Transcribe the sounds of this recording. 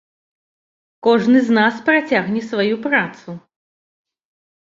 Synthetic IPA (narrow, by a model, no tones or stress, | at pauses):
kɔʐnɨznaspɾat͡sʲaɣnʲɛsvajupɾat̪su